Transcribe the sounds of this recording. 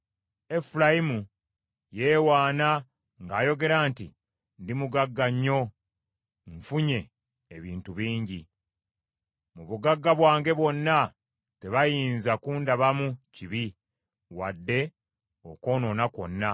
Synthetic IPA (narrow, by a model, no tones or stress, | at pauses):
e̞fulajimu | je̞ːwaːna | ŋɡaːjo̞ɡe̞ɾaːntḭ | ndimuɡaɡːaɲːo̞ | ɱfuɲe̞ː | βiːntuβiːɲɟi | muβuɡaɡːaβwaːŋɡe̞βwo̞nːa | te̞βajiːnzakuːndaβamuciβi | wadːe̞ | oko̞ːno̞nako̞̰nːa